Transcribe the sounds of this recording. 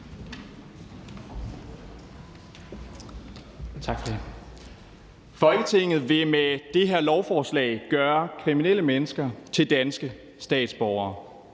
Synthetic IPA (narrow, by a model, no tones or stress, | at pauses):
t͡sʰɑ̈ɡ̥fɒ̽d̥e | fɒ̽lɡ̥ət͡sʰe̝ŋ̰ð̩ˠʋe̝med̥e̝ɦeɐlɒʊfɒːslɛ̰ɪɡ̥ɶːɐkʰʁiminel̰əmenəsɡ̥ɐt͡sʰe̝ld̥ænsɡ̥ə | sd̥ɛ̰ːd̥sb̥ɒʊ̰ɐː